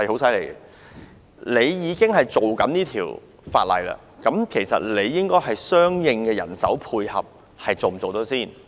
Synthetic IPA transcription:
hɐ˨jho˨˥wsɐ˥jle˨˩jɡɛ˧ | le˨˧jjiː˨˧kɪ˥ŋɦɐ˨jt͡so˨wkɐ˨˥niː˥t̪ʰiː˨˩w | faː˧t̚lɐ̰˨jla̰ː˧ | kɐ˨˥mkʰe˨˩jsɐ̰˨t̚le˨˧jːɪ˥ŋkɔː˥jɦɐ˨jsœː˥ŋjɪ˧ŋkɛː˧jɐ̰˨˩nsɐ̰˨˥wpʰuː˧jhɐ̰˨p̚ | hɐ˨jt͡so˨m̩˨˩t͡so˨wt̪ɔː˨˥siː˥˩n

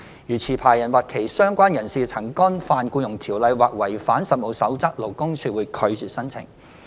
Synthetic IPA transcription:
jyː˨t͡sʰiː˨˩pʰaː˨˩jɐ˨˩nwaː˨˩t̚kʰe˨˩jsœː˥ŋkʷaː˥njɐ˨˩nsiː˨t͡sʰɐ˨˩ŋkɔː˥nfaː˧nkuː˧jʊ˨˩ŋt̪ʰiː˨˩wlɐ˨˧jwaː˨k̚wɐ˨˩jfaː˨˥nsɐ˨t̚mo˨˧wsɐ˨˥wt͡sɐ˥k̚lo˨˩wkʊ˥ŋt͡ʃʰyː˧wuː˨˧kʰɵ˨˧ɥt͡ʃyː˨˩tsɐ˥nt͡sʰɪ̰˨˩ŋ

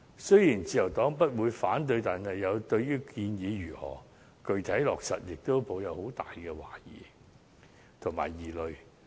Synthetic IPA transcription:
sɵ˥jiː˨˩nt͡siː˧jɐ˨˩wt̪ɔː˨˥ŋp̬ɐ˥t̚wuː˨˧jfaː˨˥nt̪̬ɵ˧ɥt̪aː˨˩nhɐ˨jːɐ˨˧wt̪ɵ˧ɥjyː˥kiː˧njiː˨˧ɥyː˨˩hɔ̰ː˨˩ | kɵ˨˧ɥt̪ʰɐ˨˥jlɔː˨k̚sɐ̰˨t̚jɪ˨k̚t̪o˥wpo˨˧wjɐ˨˧who˨˥wt̪aː˨jkɛː˧wa̰ː˨˩jḭː˨˩ | t̪ʰʊ˨˩ŋma̰ː˨˩jiː˨˩lɵ˨˧ɥ

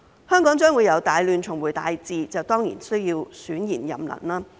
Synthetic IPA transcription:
hœː˥ŋkɔː˨˥ŋt͡ʃœː˥ŋwuː˨˧jɐ˨˧wt̪aː˨˧jlyː˧nt͡ʃʰʊ˨˩ŋwuː˨˩jt̪aː˨˧jt͡siː˨˧t͡sɐ˨wt̪ɔː˥ŋjḭ˨˩nsɵ˥ɥji˧wsyː˨˥njiː˨˩njɐ̰˨˩mlɐ̰˨˩nlaː˥

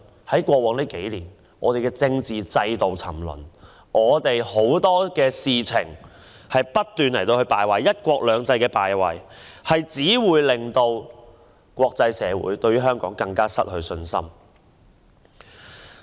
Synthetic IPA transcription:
hɐ˨˥jkʷɔː˧wɔː˨˥ŋliː˥ke˨˥jliː˨˩n | ŋɔː˨˧e˨˩jkɛː˧t͡sɪ˧ŋt͡siː˨t͡sɐ˧jt̪o˨wt͡sʰɐ̰˨˩mlɵ̰˨˩n | ŋɔː˨˧t̪e˨jho˨˥wt̪ɔː˥kɛː˧siː˨t͡sʰɪ˨˩ŋ | hɐ˨jpɐ˥tt̪ːyː˨nlɐ˨˩jt̪o˧whɵ˧ɥpaː˨jwɐ˨jjɐ˥t̚kʷɔː˧k̚lœː˨˧ŋt͡sɐ˧jkɛː˧paː˨jwɐ̰˨˩jhɐ˨jt͡siː˨˥wuː˨˧jlɪ˨ŋt̪o˧w | kʷɔː˧k̚t͡sɐ˧jsɛː˨˧wṵː˨˥jt̪ɵ˧ɥyː˥ɦœː˥ŋkɔ̰ː˨˥ŋkɐ˧ŋkaː˥sɐ̰˥t̚hɵ˧ɥsɵ˧nsɐ̰˥m

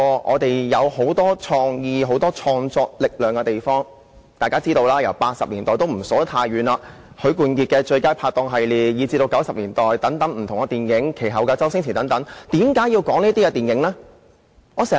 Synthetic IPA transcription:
ɔː˧ʔɔ̰ː˨˧t̪e˨jjɐ˨˧who˨˥wt̪ɔː˥t͡sʰɔː˧ŋjiː˨˧ɦo˨˥wt̪ɔː˥t͡sʰɔː˧ŋt͡sɔː˧k̚lɪ˨k̚lœː˨ŋkɛ˧t̪e˨jfɔː˥ŋ | t̪aː˨jkaː˥t͡siː˥t̪o˧wlaː˥jɐ˨˩wpaː˧t̚sɐ̰˨p̚liː˨˩nt̪ɔː˨˩jt̪o˥wm̩˨˩sɔː˨˥t̪ʰaː˧jɥyː˨˧naː˧ | hɵ˨˧˥ɥkuː˨˧nki˧t̚kɛ˧t͡ʃɵ˧ɥkaː˥jpʰaː˧t̪ɔː˧ŋɦɐ˨jliː˨jiː˨˧t͡si˧t̪o˧wkɐ˨˥wsɐ˨p̚liː˨˩nt̪ɔː˨jt̪ɐ˨˥ŋt̪ɐ˨˥ŋm̩˨˩t̪ʰʊ˨˩ŋkɐ˧t̪iː˨˩nkɪ˨˥ŋkʰe˨˩jɦɐ˨wkaː˧t͡sɐ˥wsɪ˥ŋt͡sʰiː˨˩t̪ɐ˨˥ŋt̪ɐ˨˥ŋt̪iː˨˥mkaː˨˥ji˧wkɔː˨˥ŋniː˥t̪iː˥kɛ˧t̪iː˨nkɪ˨˥ŋlɛ˥ | ŋɔː˨˧sɛː˨˩

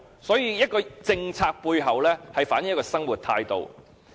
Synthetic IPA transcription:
sɔː˨˥jiː˧jɐ˥t̚kɔː˧t͡sɪ˧ŋt͡sʰaː˧k̚puː˧jɦɐ˨wlɛː˥hɐ˨jfaː˨˥njjɐ˥kɔː˧sɐ˥ŋwuː˨˩t̪ʰaː˧jt̪o̰˨w

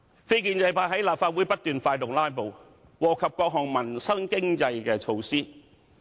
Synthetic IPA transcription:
fe˥jk̬iː˧nt͡sɐ˧jpaː˧˩hɐ˨˥jlaː˨p̚faː˧t̚wuː˨˥jpɐ˥t̚t̪yː˨nfaː˧jt̪ʊ˨ŋlaː˥jpo˨˧w | wɔː˨˩kʰɐ˨p̚kɔː˧k̚ɦɔː˨˩ŋmɐ˨˩nsɐ˥ŋkɪ˥ŋt͡sɐ˧jkɛː˧t͡ʃʰo˧wsiː˥

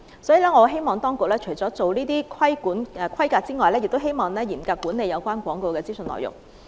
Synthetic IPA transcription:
sɔː˨˥jiː˨lɛː˥ŋɔː˨˧ɦe˥jmɔː˨˩ŋt̪ɔː˥ŋkʊ˨k̚lɛː˥t͡ʃʰɵ˨˩jt͡sɔː˨˥t͡so˨wliː˥t̪iː˥kʰɐ˥jkuː˨˥nː˧˩kʰɐ˥jkaː˧t̚t͡siː˥ŋɔː˨jlɛː˥jɪ˨k̚t̪o˥wɦe˥jmɔː˨˩ŋlɛː˥jiː˨˩nkaː˧kːuː˨˥ne˨jɐ˨˧wkʷwaː˥nkʷɔː˨˥ŋko˧wkɛː˧t͡siː˥sə˧nlɔ̰ː˨jʊ̰˨ŋ

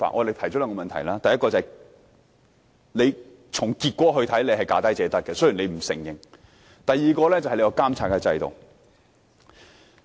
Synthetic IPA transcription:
fa̰ː˨ʔɔː˨˧e˨jt̪ʰɐ˨˩t͡ɕɔː˥lːɛː˧ŋkɔː˧mɐ˨nt̪ʰɐ̰˨˩jlaː˥t̪ɐ˨jɐ˥kɔː˧t͡saː˨ | le˨˧j | t͡sʰʊ˨˩ŋkiː˧t̚kʷwɔː˨˥ɦɵ˧t̪ʰɐ˨˥jle˨˧jɦɐ˨jkaː˨˧t̪ɐ˥jt͡sɛː˨˧t̪ɐ˥k̚kːɛ˧sɵ˥ɥjiː˨˩nle˨˧jm̩˨˩sɪ̰˨˩ŋjɪ˨ŋ | t̪ɐ˨jːiː˨kɔː˧lɛː˥t͡sɐ˨hle˧kɔ˧kaː˥mt͡sʰaː˧˥tkɛ˧t͡sɐ̰˧jt̪o̰˨w

